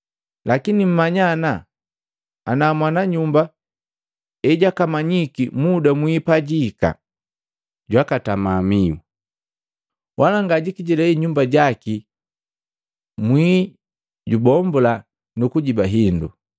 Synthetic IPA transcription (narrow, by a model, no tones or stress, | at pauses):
lakinim̩maɲana | anaːmwanaɲumba | ɛɟakamaɲikimudamwipaɟika̰ | ɟwakatamamiṵ | wʔalaŋɡaɟikiɟilɛiɲumbaɟaki | mwi | ɟubɔmbɔla | nukuɟibaɦindṵ